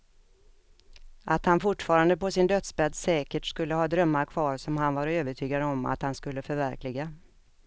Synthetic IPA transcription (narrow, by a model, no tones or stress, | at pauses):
ʔat̪hanfʊʈːfɑːɾand̪əpɔsɪnd̪œt̪sbɛd̪sɛːkəʈskɵlːəhɑːd̪ɾœmːaɾkʰvɑːɾsɔmhanvaɾøːvəʈʰyːɡad̪ɔma̰t̪hanskɵlːəfœɾvæɾklɪɡa